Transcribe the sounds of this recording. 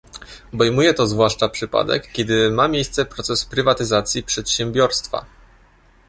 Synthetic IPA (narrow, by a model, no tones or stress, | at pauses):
ɔbɛjmujɛt̪ɔzvwaʂt͡ʂapʂɘpa̰d̪ɛ̰kːʲɛd̪ɘmamʲjejst̪sɛpɾɔt̪sɛspɾɘvat̪ɘzat̪sʲjipʂɛt̪ɕɛmbʲjɔɾst̪fa̰